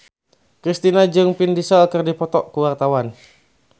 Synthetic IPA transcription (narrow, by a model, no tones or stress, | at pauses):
kɾist̪inad͡ʒɨŋpindisɔkərdipɔt̪ɔʔkuwart̪awan